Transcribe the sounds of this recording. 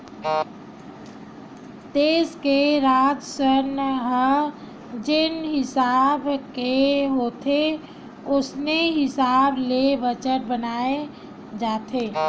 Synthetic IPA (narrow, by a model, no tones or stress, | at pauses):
d̪eːskeɾaːd͡ʒ̪sənɦə | d͡ʒɪnɦɪsaːbkeɦoːt̪ʰe | ʊsneɦɪsaːblebət͡ʃəʈ̚bənaːe | d͡ʒaːt̪eː